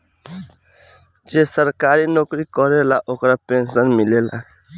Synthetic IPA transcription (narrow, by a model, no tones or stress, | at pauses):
d͡ʒesəɾkaɾinokɾikɔɾelaʔokɾapensənmilela̰